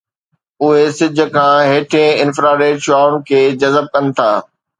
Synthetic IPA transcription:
ʊɦesɪd͡ʑʱə̆kʰãːɦeːʈʰẽɪnfɾaːɾeːʈʃʊaːʊɽ̃̆kʰeːd͡ʑɐzəb̚kɐnɪ̆t̪ʰaː

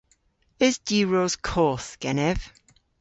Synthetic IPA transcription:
əzd̥iːɹoz̥kʰɔːˑθɡ̥ɛnɛv̥

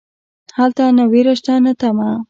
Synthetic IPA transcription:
halt̪anawiɾaʃt̪anat̪ama

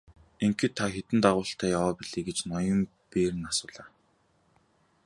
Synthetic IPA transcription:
eŋkɘ̆t̪ʰːaxet̪ɘ̆nt̪aʁʊːɬt̪æːjawaːpiɮeːɡet͡ɕnɔjɞ̆m | peːɾɘ̆nasʊːɮaː

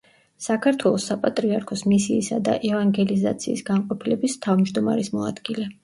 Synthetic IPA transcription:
sakʰaɾt̪ʰwɛlˠɔsːapʼat̪ʼɾiaɾkʰɔsmisiːsad̪a̰ʔɛvaŋɡɛlizat̪sʰiːsɡanqʼɔpʰilɛbist̪ʰavmd͡ʒd̪ɔmaɾismɔa̰d̪̥ɡilɛ

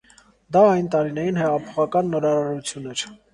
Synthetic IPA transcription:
d̪ɑɑjnt̪ɑɾinɛjinhɛʁɑpʰɔ̥χɑkɑnːɔɾɑɾɑɾut͡sʰjunɛɾʰ

